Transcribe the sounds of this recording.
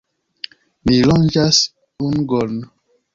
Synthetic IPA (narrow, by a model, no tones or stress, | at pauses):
milɔnd͡ʒas | unɡɔln